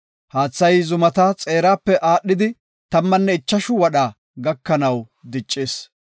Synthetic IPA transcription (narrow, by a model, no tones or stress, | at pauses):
haːt͡sːɐjzʊmɐt̪ɐt͡sʼe̞ːɾaːpːɛʔaːɗːɪd̪ɪ | t̪ɐmːɐnːɛɪt͡ʃːɐʃʊwɐɗaː | ɡɐkːɐnɐw | d̪ɪt͡ʃʼːeːs